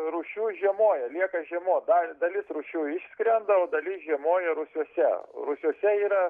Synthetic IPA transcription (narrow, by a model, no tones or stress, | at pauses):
ɾuːʃʲuːʒʲiɛmoːjɛlʲiɛkɐʒʲiɛmoːd̪ɐd̪ɐlʲɪsɾuːʃʲuːɪʃʲsʲkɾʲɛnd̪ɐoːd̪ɐlʲɪsʒʲiɛmoːjɛɾʊsʲuɔsʲɛ̰ɾʊsʲuɔsʲɛiːɾɐ